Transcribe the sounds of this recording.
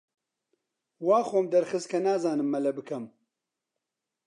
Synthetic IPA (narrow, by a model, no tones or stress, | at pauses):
waːxoːmd̪ɐɾxɨskʰɐnaːzaːnɨmːɛlɛbɨkʰɐm